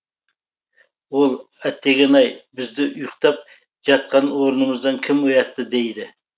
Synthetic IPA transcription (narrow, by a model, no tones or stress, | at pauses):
wo̞lˠ | æt̪ːe̞ɡʲenɑjbɪzd̪ɪʔʊjqt̪ɑp̚ | ʒ̥ɑt̪̚qɑnwo̞ɾənəməzd̪ɑŋkʲʰɪmojɑt̪ːəd̪e̞jd̪ɪ